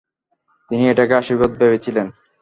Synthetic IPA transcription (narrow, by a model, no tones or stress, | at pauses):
t̪inieʈakeaʃibod̪̚bebet͡ɕʰilen